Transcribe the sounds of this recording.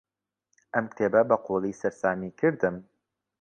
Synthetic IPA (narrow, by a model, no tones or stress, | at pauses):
ʔɐmt̪ʰeːbɐbɐqʰoːlˠiːsɐɾsaːmiːkʰɨɾd̪ɨm